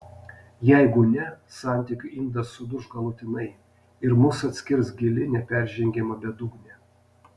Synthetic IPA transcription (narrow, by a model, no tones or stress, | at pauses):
jɛɪɡʊnʲɛsɑˑnʲt̪ʲiːˑkʲʊɪnd̪ɐsʊd̪ʊʒɡɐlˠʊt̪ʲɪnɐɪ | ɪɾmʊsɐt̪ʲsʲkʲɪɾsɡʲɪlʲɪnʲɛpʲɛɾʲʒʲɛŋʲɡʲɛmɐbʲɛd̪ʊɡnʲɛ